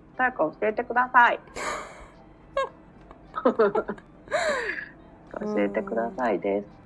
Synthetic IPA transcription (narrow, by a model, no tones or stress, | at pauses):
sakaoɕie̞t̪e̞kɯ̟d̪asai | akao̰ɕie̞t̪e̞kɯ̟d̪asaid̪esɨ̥